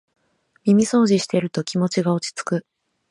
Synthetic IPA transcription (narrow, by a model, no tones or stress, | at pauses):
mʲimʲiso̞ːʑiɕi̥t̪e̞ɾɯ̟t̪o̞kʲimo̞t͡ɕiɡao̞t͡ɕi̥t͡sɨ̥kɯ